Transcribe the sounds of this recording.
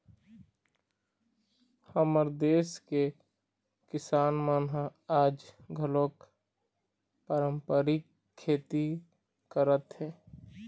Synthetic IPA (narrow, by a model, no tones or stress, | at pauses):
həməɾd̪eːske | kɪsaːnmaːnɦaaːd͡ʒɡʱəloːk | paːɾəmpəɾɪkʰː | eːt̪i | kəɾət̪ɦɛː